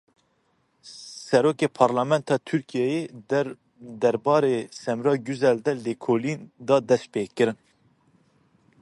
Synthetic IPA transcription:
sɛɾoːkeːpʰɑɾlɑːmɛnt̪ʰɑːt̪ʰyɾkʰijɛje | d̪ɛɾbɑːɾeːsɛmɾɑːɡyzɛld̪ɛlekʰoːlind̪ɑːd̪ɛs̚peːkːɨɾɨn

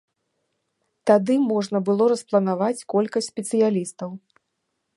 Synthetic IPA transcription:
t̪ad̪ɨmɔʐnɐbɨlˠɔɾɐsplˠɐnavat͡sʲkɔlʲkɐsʲtʲsʲpʲɛt̪sɨjalʲist̪ɐw

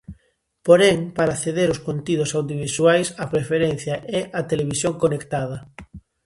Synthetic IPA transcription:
poɾeŋpaɾaθeðeɾʊskont̪iðʊsawðjoβ̞iswajsapɾefeɾen̟θjɐʔɛʔɐt̪eleβisjoŋkonekt̪að̞ɐ

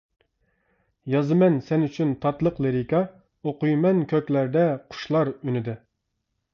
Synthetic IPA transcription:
jɑzɨmɛnsɛnyt͡ʃʰynt̪ʰɑt̪lˠəqlˠeɾikɑ | oqujmɛnkʲʰøkʲlæɾd̪ɛqʰʊ̥ʃlˠɑɾynɪd̪ɪ

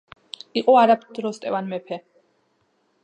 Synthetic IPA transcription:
iqʼɔaɾapʰd̪̥ɾɔst̪ʼɛvanmɛpʰɛ

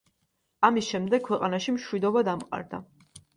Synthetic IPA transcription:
amisʃɛmd̪ɛk̚ʰwɛqʼanaʃimʃwid̪ɔbad̪amqʼa̰ɾd̪a̰

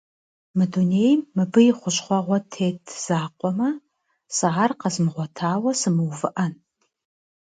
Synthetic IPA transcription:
mɨdunejmːɨbɨjɪχʷʊɕχʷɔʁʷɔtʰeːtʰz̥aːqʷʼɔmɐ | sɨʁarqɐzɨmʁʷɔtʰaːwɐsɨmɨwvɨʔɐn

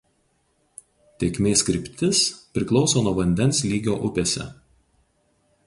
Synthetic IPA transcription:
t̪ʲekʲmʲeːskɾʲɪpʲt̪ʲɪspʲɾʲɪklˠɒʊsoːnuɔʋɐnʲd̪ʲɛnˑslʲiːɡʲoːʔʊpʲeːsʲɛ̰

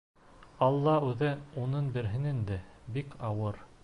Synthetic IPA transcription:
ɑlˠːɑʉðɘunɤnbɘ̆ɾɦɘnind̪ɘbikʰɑwɤɾ

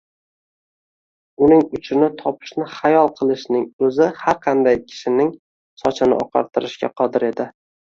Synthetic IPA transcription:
ʊnɪŋʊt͡ʃʰɪnɪt̪ʰɒpʰɪ̥ʃnɪχajɒlˠqʰɨlˠɪʃnɪŋɵzɪhaɾqʰɑnd̪ajkʲʰɪ̥ʃɪnɪŋ | sɒt͡ʃʰɪnɪ̰ʔɒqʰɑ̰ɾt̪ʰɪɾɪʃkʲa̰qʰɒd̪ɪɾe̞d̪ɪ

